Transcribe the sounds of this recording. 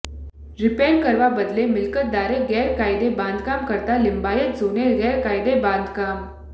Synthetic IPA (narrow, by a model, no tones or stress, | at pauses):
ɾipeɾkəɾʋabəd̪lemilkət̪̚d̪aɾeɡɛɾkajd̪ebãnd̪ʱkamkəɾt̪alimbajət̪d͡zoneɡɛɾkajd̪eband̪ʱkam